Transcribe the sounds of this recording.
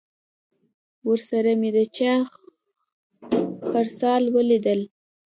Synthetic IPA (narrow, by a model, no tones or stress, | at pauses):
wəɾsaɾamed̪ət͡ʃɑ | xaɾsɑlwəlid̪əl